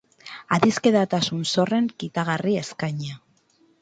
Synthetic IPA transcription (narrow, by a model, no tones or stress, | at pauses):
aðiske̞ðat̪asunso̞re̞ŋkit̪aɣarie̞skajɲa